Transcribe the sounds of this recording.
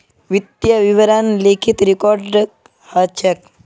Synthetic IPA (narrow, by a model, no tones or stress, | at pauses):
ʋit̪jaʋiʋɾanlekʰit̪ɾikɔɾɖ | hat͡ʃʰək̚